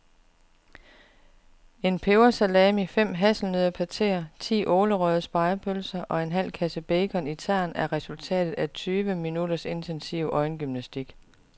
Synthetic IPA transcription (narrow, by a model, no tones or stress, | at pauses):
e̝npʰeʊɐsælɛːmifem̰ɦæsl̩nøðˠɐpʰæt͡sʰe̝̰ːɐt͡sʰḭːʔoːləʁœð̞ˠəsb̥ɑ̈ɪɐpʰølsɐʔɒ̽e̝nɦæl̰kʰæsəb̥eɪkʰɒ̽nit͡sʰæɐ̰næɐʁɛsult͡sʰɛ̰ːd̥ð̩ˠæt͡sʰyːʋəminud̥ɐse̝nt͡sʰensiʊ̰ʔɒ̽ɪnɡ̥ymnæsd̥iɡ̥